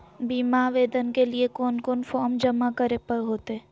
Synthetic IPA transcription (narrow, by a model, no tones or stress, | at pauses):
biːmaʋeːd̪ənkeliekɔːnkɔːnfɔːɾmd͡ʒɐmakəɾepɐɾɦoːt̪eɦɛː